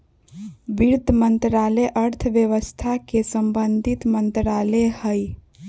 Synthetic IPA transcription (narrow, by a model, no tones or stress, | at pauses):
biɾd̪ʱəmənt̪ɾaleʔəɾt̪ʰəʋjəʋəst̪ʰakesəmbənd̪ʱit̪mənt̪ɾalehəj